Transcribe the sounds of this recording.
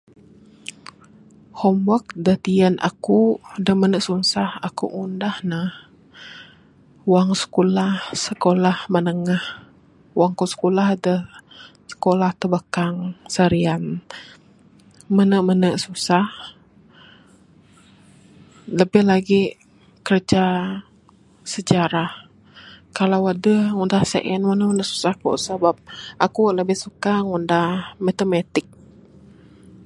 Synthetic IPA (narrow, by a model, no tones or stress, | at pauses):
hɔmbɔk̚dət̪ianʔa̰kudəhmənəʔsuŋsahakṵʔundahnah | waŋsə̥kulahsəkolahmənəŋah | waŋkusə̥kolahdəsə̥kolaht̪əbəkaŋsəɾian | mənəʔmənəʔsusah | ləbɪhlaɡi | kərd͡ʒa | səd͡ʒaɾah | kalawadəhŋundahsə̰ʔɛnmənəʔmənəʔsu̥sahkṵsabap̚ʔakuʔləbɪhsukaŋundahmat̪əmat̪ɪk̚